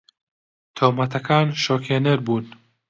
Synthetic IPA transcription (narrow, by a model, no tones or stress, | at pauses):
t̪ʰoːmɐt̪ʰɐkʰaːnʃoːkʰeːnɛɾbuːn